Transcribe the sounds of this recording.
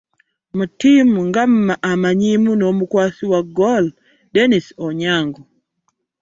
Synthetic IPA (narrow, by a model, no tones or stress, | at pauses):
mutimŋɡamːaʔamaɲimunomukwasiwaɡɔl | denisɔɲaŋɡɔ